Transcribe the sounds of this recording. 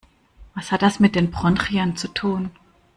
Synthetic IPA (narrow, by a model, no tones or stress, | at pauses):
vashat̚d̥asmɪt̚d̥eːnbʁ̥ɔnʁiant͡sutʰuːn